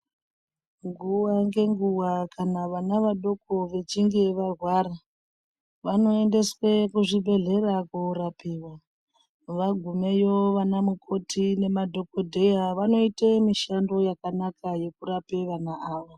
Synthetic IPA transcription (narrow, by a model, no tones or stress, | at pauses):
ŋɡuwaŋɡe̞ŋɡuwakʰanaʋanaʋaɗo̞koʋe̞t͡ʃiŋɡe̞ʋarwaɾa | ʋano̞ende̞swekuʐibʱe̞ɮe̞rakuːɾapiːwa | ʋaɡʱume̞joʋanamukʰo̞tʰine̞madʱo̞ko̞dʱe̞jaʋano̞itemiʃando̞jakanakʰaje̞kuɾape̞ʋanaʔaːʋo